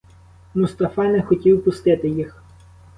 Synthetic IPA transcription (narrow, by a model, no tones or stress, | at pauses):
mʊst̪ɐfɑnɛxɔtʲiwpʊst̪ɪt̪ɪjix